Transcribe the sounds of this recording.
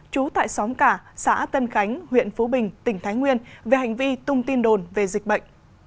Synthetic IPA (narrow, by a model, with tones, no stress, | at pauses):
t͡ɕu˨˦t̪a̰ː˧˨jsɔ˨˦ŋ͡mkaː˧˩sa̰ː˧˥t̪ə˧nxa˨˦jŋ̟hwḭ˧˨ənfo˨˦ɓï˨˩ŋ̟t̪ï˧˩ŋ̟t̪ʰaː˨˦jŋwi˧ənve˨˩ha˨˩jŋ̟vi˧t̪ʊ˧ŋ͡mt̪i˧nɗo˨˩nve˨˩zi˨˩k̟̚ɓə̰˧˨jŋ̟